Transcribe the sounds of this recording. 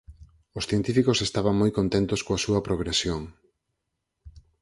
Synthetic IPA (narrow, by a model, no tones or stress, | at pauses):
osθjent̪ifikosest̪aβɐŋmojkont̪ent̪oskoɐsuɐpɾoɣ̞ɾesjoŋ